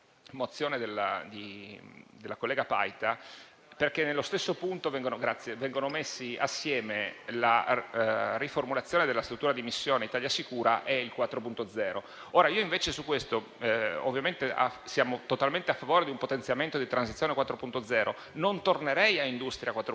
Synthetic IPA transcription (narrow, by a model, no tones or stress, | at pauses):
mot̪sːjoːned̪elːa̰d̪i | d̪elakolːɛːɡapa̰jt̪a | perk̟enːelːost̪esːopunt̪ovɛŋɡonoɡɾat̪sːjevɛŋɡonomesːia̰sːjɛːmela | riformulat̪sjoːned̪elast̪ɾut̪ːuːɾad̪imisːjoːneit̪aːʎjasikuːɾaʔɛilkwat̪ːɾopunt̪od̪zɛːɾo | oːɾaiːoiɱveːt͡ʃesukːwest̪o | o̰vːjament̪eʔa̰sjaːmot̪ot̪alment̪eafːavoːɾed̪iumpot̪ent̪sjament̪od̪it̪ɾansit̪sjoːnekwat̪ːɾopunt̪od̪zɛːɾo | nont̪orneɾɛjaind̪ust̪ɾʲjakwat̪ːɾo